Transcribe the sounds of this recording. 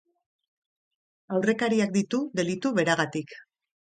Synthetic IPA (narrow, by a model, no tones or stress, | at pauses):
awre̞kaɾiak̚d̪it̪ud̪e̞lit̪uβe̞ɾaɣ̞at̪ik